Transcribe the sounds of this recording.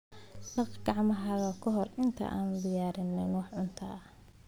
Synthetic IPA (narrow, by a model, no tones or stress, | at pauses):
ɖɑqɡɑʕmɐɦɐɣɐkʰɔɦɔrɪnt̪ʰɐ̰ʔa̰ːnbɪjaːɾɪnːɛnwɔːħʕʊnt̪ʰɐɐh